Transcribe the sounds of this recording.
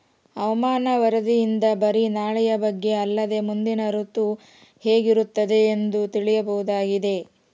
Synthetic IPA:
ɐʋɐmaːnɐʋɐɾɐd̪ijind̪ɐbɐɾinaːɭɛjɐbɐɡːe̞ɐlːɐd̪e̞mund̪inɐɾut̪u | heːɡiɾut̪ːɐd̪e̞ːnd̪ut̪iɭijɐbɐɦud̪aːɡid̪e̞

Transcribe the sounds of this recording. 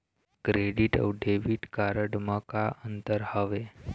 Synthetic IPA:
kɾeɽiʈə̰wɖʱeʋiːʈkaɾəɽməkaʔənt̪əɾhəʋe

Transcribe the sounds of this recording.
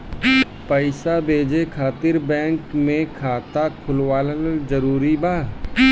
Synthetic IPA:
pəɪsabʱeːd͡ʒekʰaːt̪ɪɾbɛ̃ːŋkmẽkʰaːt̪akʰʊlwaːlənəzəɾuːɾibaː

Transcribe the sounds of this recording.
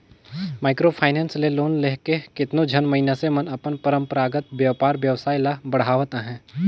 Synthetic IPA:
maːɪkɾopʰaːɪnɛ̃ːnsleloːnleɦkekɪt̪nod͡ʒʱɐnmɐɦɪnasemɐnɐpənpəɾə̃mpɾaːɡət̪ʋjɐʋpaːɾʋjəʋsaːilabɐɽ̤aːʋt̪aɦɛ̃ː

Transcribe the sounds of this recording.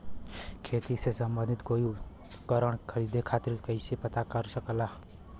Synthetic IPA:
kʰeːt̪isesəmbə̃nd̪ɪt̪koːi | kəɾəɽ̃kʰəɾiːd̪ekʰaːt̪ɪɾkəɪsepət̪akəɾsəklaː

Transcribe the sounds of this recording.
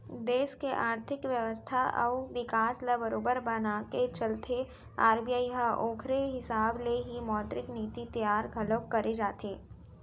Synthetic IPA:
d̪eːʃkeʔaːɾt̪ʰɪkʋjəʋəst̪ʰaʔɐ̰ʊʋɪkaːsləbəɾoːbəɾbɐnaket͡ʃɐlt̪ʰe | aːɾbiaːiɦaʔoːkʰɾeɦɪsaːbleɦimɔːt̪ɾɪkniːt̪it̪jaːɾɡʱɐləwkɐɾed͡ʒaːt̪eː

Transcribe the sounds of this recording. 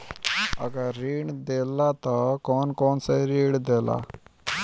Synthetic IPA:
ə̰ɡaɾːiːɽd̪elat̪ɔkɔːnkɔːnsaiɾiːɽd̪ela̰

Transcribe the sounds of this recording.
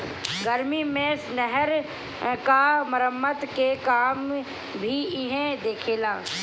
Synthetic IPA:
ɡəɾmimẽsnəɦəɾ | kaməɾəmːət̪kekaːm | bʱiɪɦẽd̪eːkʰeːlaː

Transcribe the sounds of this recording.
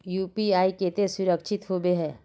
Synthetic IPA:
juːpiaːiket̪esʊɾəkʃʰɪt̪ɦobeɦɛː

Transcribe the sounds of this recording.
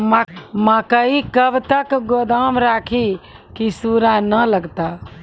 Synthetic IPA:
mãkəikəbt̪əkɡoːd̪aːmɾaːkʰi | kisuːɾanələɡt̪aː

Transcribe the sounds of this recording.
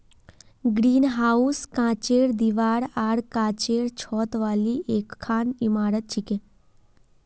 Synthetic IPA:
ɡɾinɦauskãt͡ʃeɽd̪iʋaːɽaɽkãt͡ɕeɽt͡ʃʰɔt̪ʋaliʔekkʰːaːnimaɾət̪̚t͡ʃʰikẽ

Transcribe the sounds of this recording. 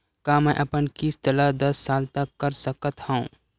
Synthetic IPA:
kaːmɛ̃ʔɐpənkist̪əlad̪ɐsːaːlt̪əkːɐɾsəkət̪hɛũː

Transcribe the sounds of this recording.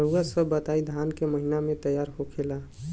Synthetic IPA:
əɾuɡasəbːət̪aid̪ʱaːnkeməɦinamẽt̪əjaːɾɦokʰela

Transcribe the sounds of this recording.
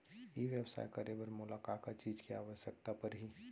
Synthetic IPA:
iʋjəwsa̰ːjkəɾebəɾmʊlaːkaːkat͡ʃiːd͡ʒkiaːʋəʃjək̚t̪apəɾɦi

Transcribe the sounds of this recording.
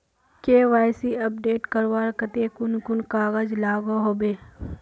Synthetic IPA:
keːʋaːɪsiɐp̚ɖeːʈkɐɾʋaːɾkət̪ekʊnkʊnkaːɣəd͡ʒlaːɡoɦoːbeː

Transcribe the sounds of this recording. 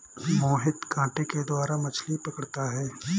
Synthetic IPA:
moːɦɪt̪kãːʈeked̪waːɾamɐt͡ʃʰlipɐkəɽt̪aɦɛː

